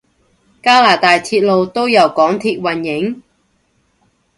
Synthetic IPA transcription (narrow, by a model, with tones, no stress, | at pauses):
kaː˥laː˨˩t̪aː˨jt̪ʰiː˧t̚lo˨˧wt̪o˥wjɐ˨˩wkɔː˨˥ŋt̪ʰiː˧t̚wɐ˨˩njɪ˨˥ŋ